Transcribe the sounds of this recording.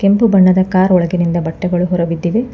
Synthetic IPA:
kempubɐɳːɐd̪ɐkaːɾɔɭɐɡinind̪ɐbɐʈːɐɡɐɭuɦɔɾɐʋid̪ːiʋe

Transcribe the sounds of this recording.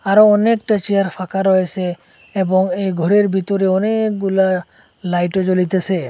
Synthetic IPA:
aɾɔɔnek̚ʈət͡ʃijaɾpʰakaɾɔɛsɛː | bɔŋejɡʱɔɾeɾbʱit̪ɔɾeɔnek̚ɡula | lajʈɔd͡ʒolit̪esɛ

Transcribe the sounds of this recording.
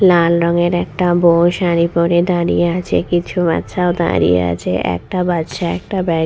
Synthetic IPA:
lalɾɔŋeɾɛkʈaboʃaɾipoɾed̪aɾḭjeat͡ɕʰekit͡ɕʰuma̰t̪ːɕʰaod̪a̰ɾḭjḛa̰t͡ɕʰeʔɛ̰k̚ʈabat̪ːʃʰaɛk̚ʈabɛ

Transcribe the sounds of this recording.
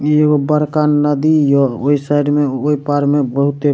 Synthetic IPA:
eɡobəɾkanːəd̪ijɔoisajɖmeoipaɾmebəɦut̪e

